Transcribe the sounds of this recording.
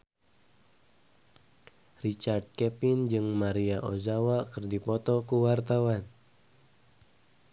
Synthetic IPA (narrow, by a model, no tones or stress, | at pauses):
rit͡ʃard̪̚kɛpɪnd͡ʒɨŋmaɾiaʔo̰zawakɨrdipɔt̪ɔkuwart̪awan